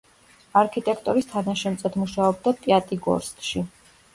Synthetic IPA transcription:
aɾkʰit̪ʼɛkʰt̪ʼɔɾist̪ʰanaʃɛmt̪sʼɛt̪ʰmuʃaɔb̚d̪at̪ʼiat̪ʼiɡɔ̰ɾst̪ʼʃi

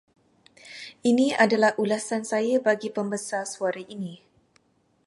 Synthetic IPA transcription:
ʔiniadalahʔulasansajabaɡipəmbəsasuaɾaʔini

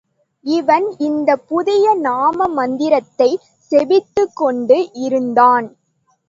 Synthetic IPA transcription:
ɪʋɐnɪnd̪ɐpːʊðɪjɐnaːmɐmɐnd̪ɪɾɐt̪ːɐɪ | sɛʋɪt̪ːɯkːɔɳɖɯʔɪɾɯnd̪aːn

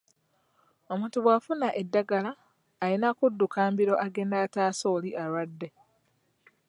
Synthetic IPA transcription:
o̞muːntuβwaːfunaʔe̞dːaɡalaː | ɾinakudːukaːmbiɾo̞ʔaɡe̞ːndaːtaːso̞ːliʔaɾwadːe̞

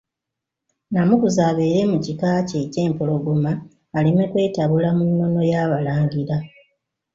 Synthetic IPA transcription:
namukuzaːβe̞ɾe̞mucikaːce̞ce̞ːmpo̞lo̞ɡomaː | limekwe̞ːtaβulamunːo̞no̞jaːβalaːŋɟiɾa

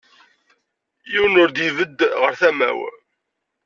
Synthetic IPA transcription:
jiwənʊɾd̪ivəd̪ʁəɾθæmæ̰w

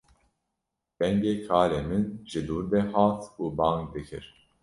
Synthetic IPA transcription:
b̥ɛŋɡeːkʰɑːɾeːmɨnʒɨd̪uːɾd̪ɛhaːt̪ʰuːbɑːŋk̚d̪ɨkʰɨ̰ɾ

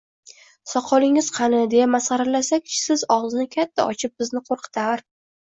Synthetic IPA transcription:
sɒqʰɒlˠɪŋɪz̥qʰɑnɪd̪e̞jamasʁɑɾɪlasakʲt͡ʃʰsɪzɒwznɪkʲʰat̪ʰːa̰ɒt͡ʃʰɪp̚bɪznɪqʰoɾqʰɨ̥t̪ʰaɾ

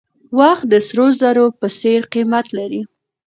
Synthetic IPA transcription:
wɑxt̪̚d̪əsɾozaɾopəseɾqimat̪laɾi

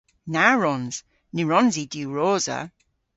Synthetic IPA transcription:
naɹɔnz̥ | niɹɔnzidjuːɹoːzə̰

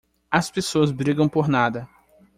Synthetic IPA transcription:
ɐspesoɐzbɾiɡɐ̃w̃poɾnad̪ɐ

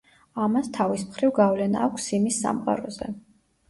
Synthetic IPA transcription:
amast̪ʰavismχɾivɡavlɛna̰ːkʷʰsimisːa̰mqʼa̰ɾɔzɛ̰

